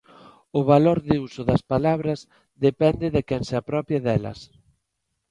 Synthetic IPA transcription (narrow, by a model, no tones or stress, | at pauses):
ʊβ̞aloɾðɪusʊðɐspalaβɾɐz | ðepɛnd̪ɪðekɛŋseapɾɔpjaðɛlɐ̰s